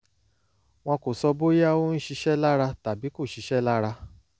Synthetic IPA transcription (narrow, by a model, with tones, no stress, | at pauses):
w̃ɔ̃˧ko˨sɔ˧bo˦ja˦wo˦n̩˦ʃi˧ʃɛ˦la˦ɾa˧ta˨bi˨˦ko˦˨ʃi˨˧˦ʃɛ˦la˦ɾa˧